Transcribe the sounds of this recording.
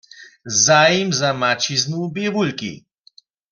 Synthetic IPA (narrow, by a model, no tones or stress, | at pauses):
zaːjimzamat͡ʃiznubjɛvulkḭ